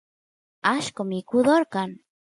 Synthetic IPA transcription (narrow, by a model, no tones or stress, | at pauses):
aʃkomikuðoɾkan